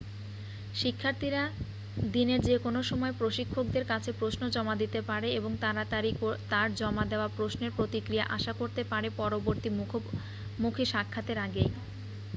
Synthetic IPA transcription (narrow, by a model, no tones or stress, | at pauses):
ʃikʰːaɾt̪ʰiɾa | d̪ineɾd͡ʑekonoʃɔmɔepɾoʃikʰːok̚d̪eɾkat͡ɕʰepɾosnod͡ʑɔmad̪it̪epaɾeeboŋt̪aɾat̪aɾiot̪aɾd͡ʑɔmad̪eoapɾosneɾpɾot̪ikɾija̰ʔaʃakoɾt̪epaɾepɔɾoboɾt̪im | mukʰiʃakʰːat̪eɾaɡej